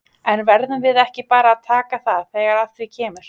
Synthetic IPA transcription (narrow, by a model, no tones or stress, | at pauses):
ɛnvɛɾðʏmvɪðɛhcɪpaːɾaːðt̪ʰaːkaθaðθeɣaɾal̥t̪ɾicʰɛːmʏɾ̥